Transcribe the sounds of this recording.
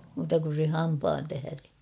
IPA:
muːtɑ kun̞ se hɑmpɑːn tæhære

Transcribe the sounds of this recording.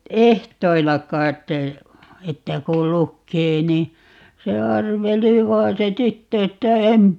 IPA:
ehtoilːɑ kɑit etːæ kul lukːeː ni se ɑrʋeli ʋɑi̯n se tytːø etːæ em

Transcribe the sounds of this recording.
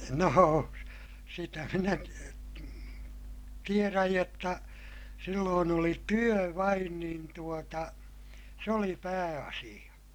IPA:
noːo sitæ minæ ti tieræj jotːɑ silːoːn oli tyø ʋɑin niːn tuotɑ se oli pæːɑsij̆ɑ

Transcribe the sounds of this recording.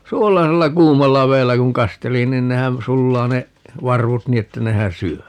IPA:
suolɑselːɑ kuːmɑlːɑ ʋeːlːæ kuŋ kɑsteli nin nehæn sulːɑː ne ʋɑrʋut niː etːæ nehæn syø

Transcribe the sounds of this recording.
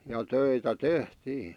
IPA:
jɑ tøitæ tehtiː

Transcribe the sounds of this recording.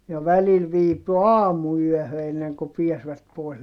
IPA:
jɑ ʋælil ʋiːpy ɑːmuyœˑhø enːeŋku piæsʋæt poˑis

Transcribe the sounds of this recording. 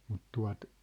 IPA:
mut tuɑ̝t

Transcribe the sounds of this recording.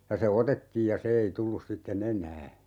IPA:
jɑ se otetːiːj jɑ se ei tulːus sitːen enˑæː

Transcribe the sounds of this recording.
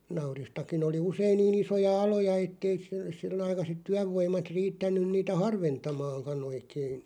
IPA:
nɑuristɑkin oli usein niːn isojɑ ɑlojɑ etːei s sil ɑikɑset tyæʋːoimˑɑt riːtːænˑyn̆ niːtæ hɑrʋentɑmɑːŋkɑn oikein

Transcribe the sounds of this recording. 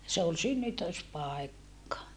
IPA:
se ol synːytøspɑˑekːɑ

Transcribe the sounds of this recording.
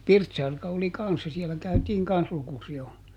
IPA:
pirtsɑrkɑ oli kɑnsːɑ siɛlæ kæytiːŋ kɑns lukusiol

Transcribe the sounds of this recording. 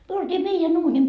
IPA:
myø oltiː meijæn uːnim

